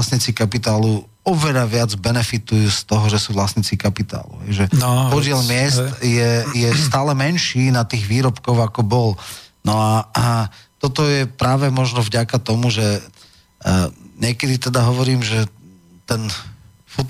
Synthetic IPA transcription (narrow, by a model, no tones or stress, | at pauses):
sɲit͡sikapit̪aːlu | ɔʋɛʎaʋɪad͡zbɛnɛfit̪ujuːst̪ɔɦɔʒɛsuːʋlasɲit͡sikapit̪a̰ːlṵɦɛjʒɛpɔɟɪɛlmɪɛst̪jɛjɛst̪aːlɛmɛnʃiːnat̪iːɣʋiːɾɔpkɔʊakɔbɔlnɔa | t̪ɔt̪ɔjɛpɾaːʋɛmɔʒnɔvɟakat̪ɔmuʒɛ | ɲɪɛkɛd̪it̪ɛd̪aɦɔʋɔɾiːmʒɛ | t̪ɛn | fu